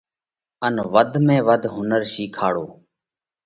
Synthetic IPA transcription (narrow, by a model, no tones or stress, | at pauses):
ənʋəd̪ʱmẽːʋəd̪ʱɦʊnəɾʃiːkʰaːɽoː